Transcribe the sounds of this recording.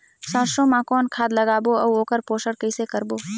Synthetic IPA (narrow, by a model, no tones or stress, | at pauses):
sãːʃõmãkɔːnkʰaːd̪lɐɡaːboɐwoːkəɾpoːʃəɽkəɪsekəɾboː